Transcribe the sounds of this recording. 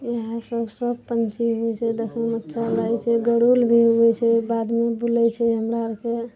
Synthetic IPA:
jəɦãsəbʱsəb̚pənt͡ʃiɦot͡ʃʰɛd̪əkʰəmət̪ːʃʰalajt͡ʃʰɛɡəɽulbʱiɦoɡɛt͡ʃʰɛbad̪mebulɛt͡ʃʰɛɦəmɾaɾke

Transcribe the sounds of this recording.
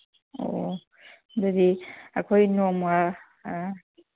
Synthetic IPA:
o̰ | dɔd̪iɐkʰojnoma

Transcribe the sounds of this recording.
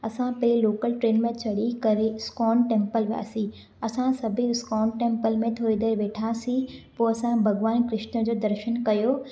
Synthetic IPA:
ɐsãpɐɦiloːkəlʈɾeːnmẽt͡ɕʰɐɽikɐɾeskɔːnʈẽːmpəlʋja̰ːsi | ɐsãsɐbʱiskɔːnʈẽːmpəlmẽt̪ʰoːɾid̪eːɾʋeːʈʰasĩpoːɐsãbʱɐɡʋaːnkɾɪʃʈnəd͡ʑoːd̪ɐɾʃənkɐjoː

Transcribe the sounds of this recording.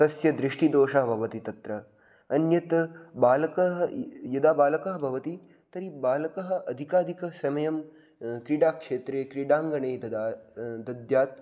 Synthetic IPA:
t̪ɐsjɐd̪ɾiʂʈid̪oːʃɐɦɐbʱɐʋɐt̪it̪ɐt̪ɾɐ | ɐnjɐt̪baːlɐkɐɦɐjɐd̪aːbaːlɐkɐɦɐbʱɐʋɐt̪i | t̪ɐɾibaːlɐkɐɦɐ̆ʔɐd̪ʱikaːd̪ʱikɐsɐmɐjɐm | kɾiɖaːkʂeːt̪ɾeːkɾiɖaːŋɡɐɳeːd̪ɐd̪aːd̪ɐd̪jaːt̪̚

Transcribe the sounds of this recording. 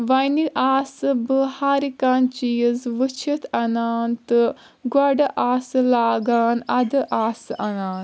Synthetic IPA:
ʋɐniʔaːsɨbɨhaːɾikaːnt͡ʃijzʋɨt͡ʃʰit̪ʰɐnaːnt̪ɨ | ɡɐɖɐʔaːsɨlaːɡaːnɐd̪ɨʔaːsɨʔɐnaːn

